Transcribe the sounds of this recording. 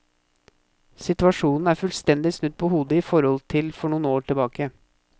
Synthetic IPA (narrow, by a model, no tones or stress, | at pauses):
sɪt̪ʉɑʂuːnn̩æːɾfʉlst̪ɛnd̪ɪsnʉd̪̚pʰɔhuːd̪əɪfɔɾhɔlt̪ʰɪlfɔɳuːnoːʈʰɪlbɑːkə